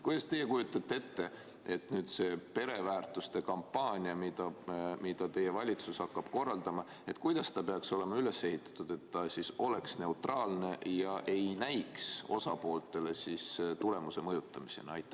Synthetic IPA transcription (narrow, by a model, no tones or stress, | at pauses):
kujd̪ɑst̪e̞jːekujut̪ːˑɑt̪ːee̞t̪ːe̞ | e̞t̪nyːd̪̥se̞pe̞ɾe̞væːrt̪ˑust̪e̞kɑmpːɑːnʲiɑmid̪̥ɑmid̪̥ɑt̪e̞je̞vɑlʲit̪sushɑkːɑb̥ko̞rːɑld̪̥ɑmɑ | e̞t̪kujd̪̥ɑst̪ɑpe̞ɑkso̞le̞mɑyle̞se̞ɦit̪ːˑɑ̥t̪ːˑud̪̥e̞t̪ːɑsiso̞le̞ksne̞ut̪rɑːlne̞jɑʔe̞jnæjkso̞̰sɑpo̞ːlt̪ˑe̞le̞sist̪ule̞muse̞mɤjut̪ːˑɑmise̞̰nɑɑ̰jt̪ːˑæ